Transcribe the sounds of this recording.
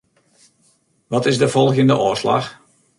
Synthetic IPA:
ʋɔtɪzdəvɔlˠɣjəndəʔɔːsla̰x

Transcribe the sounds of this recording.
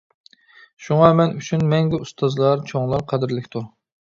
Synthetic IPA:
ʃuŋɑmɛnyt͡ʃʰynmɛŋɡʲɛust̪ʰɑzlˠɑɾt͡ʃʰoŋlˠɑɾqʰɛd̪ɪɾlɪkʲt̪ʰu

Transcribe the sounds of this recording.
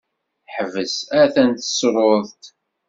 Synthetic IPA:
ħəvəsæθænt̪ə̥sɾˤoðˤt̪

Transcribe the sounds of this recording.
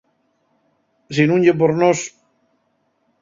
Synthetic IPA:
s̬inuɲɟep̬oɾnos

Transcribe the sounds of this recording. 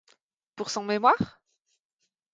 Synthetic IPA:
puʁsɔ̃memwaʁ

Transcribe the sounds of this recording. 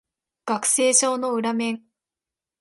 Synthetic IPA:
ɡ̥akɯ̟̥se̞ːɕo̞ːno̞ɯ̟ɾamẽ̞ŋ

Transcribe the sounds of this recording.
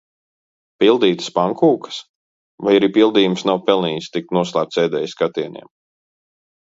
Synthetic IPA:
pilˠd̪iːt̪ə̥spaŋkuːkə̥s | vajaɾipilˠd̪iːjumsnawpɛlˠniːst̪ik̚t̪nuɔslˠæːp̚t̪sɛːd̪ɛːjskat̪iɛnʲḭɛm

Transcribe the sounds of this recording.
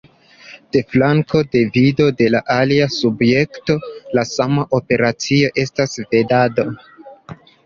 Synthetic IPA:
d̥e̞flaŋko̞de̞vido̞de̞laʔaliasubje̞kto̞lasamaʔo̞pe̞ɾat͡sio̞ʔe̞stasve̞dado

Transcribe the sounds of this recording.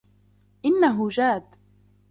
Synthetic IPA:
ʔɪnːaɦʊd͡ʒaːd̪

